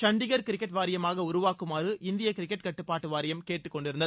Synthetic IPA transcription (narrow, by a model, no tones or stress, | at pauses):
t͡ʃɐɳɖɪɣɐɾkɪɾɪkːɛʈʋaːɾɪjɐmaːɣɐʊɾʊʋaːkːɯmaːɾɯʔɪnd̪ɪjɐkɪɾɪkːɛʈ̚kɐʈːɯpːaːʈːɯʋaːɾɪjɐmkeːʈːɯkːɔɳɖɪɾɯnd̪ɐð